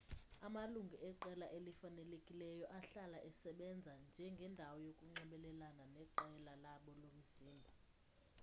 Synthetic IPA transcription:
amaluŋɡʱiʔɛǃɛlaʔelifanɛlekʼilɛjɔʔaɬalaʔɛsɛɓɛnd͡zʱand͡ʒʱɛŋɡʱɛndʱawɔjokʼuŋ͡ǃɛɓɛlɛlananɛǃɛlalaɓɔlom̩ziːmbʱɔ

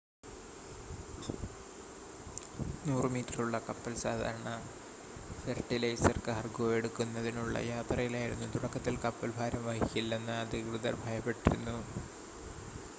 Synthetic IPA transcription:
nuːrɨmiːtːɐruɭːɐkɐpːɐlsaːd̪ʱa̰ːɾɐɳɐ | fɐrʈːilɐjsɐrkɨɦɐrɡoje̞ɽukːunːɐðinuɭːɐ̰jaːt̪rɐjilaːjiɾunːut̪uɽɐkːɐt̪ːilkɐpːɐlbʱaːɾɐmʋɐɦikʲːilːenːɨɐd̪ʱikrɨðɐrbʱɐjɐpːe̞ʈːiɾunːu

